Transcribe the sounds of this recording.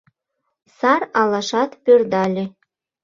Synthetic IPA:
sɑrɑlɑʃɑt̪pʲørd̪ɑlʲĕ

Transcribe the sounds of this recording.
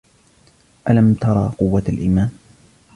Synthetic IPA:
ʔalamt̪ɑɾˤɑ̰ːqʊwːaalʔḭːmaːn

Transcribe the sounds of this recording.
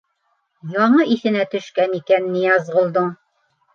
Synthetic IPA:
jɒɴɤʔiθɘ̆næt̪ɵ̆ʃkænikænːijɑzʁŏlˠd̪ɤɴ

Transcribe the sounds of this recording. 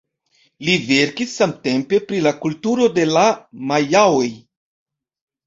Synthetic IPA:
live̞ɾkisːamte̞mpe̞pɾilakultuɾo̞de̞lamajawo̞j

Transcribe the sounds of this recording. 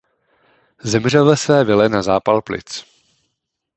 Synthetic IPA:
zɛmr̝ɛlvɛsvɛːvɪlɛnazaːpalplɪ̰t͡s

